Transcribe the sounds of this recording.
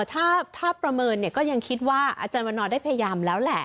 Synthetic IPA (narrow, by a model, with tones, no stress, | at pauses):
t̪ʰaː˥˩t̪ʰaː˥˩pɾa˧mɤː˧nːi˥˩ɐkɔː˥˩ja˧ŋkʰi˦˥t̪̚waː˥˩ʔa̰˧t͡ɕaː˧nwa˧nːɔː˧daː˥˩jpʰa˧ja˧jaː˧mlɛː˦˥wlɛ˨˩ʔ